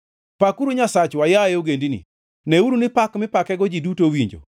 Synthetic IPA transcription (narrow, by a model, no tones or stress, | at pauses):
pakuɾuɲasat͡ʃwajajɛoɡendinḭ | nɛuɾunɪpakmɪpakɛɡɔd͡ʒidutowiɲd͡ʒo̰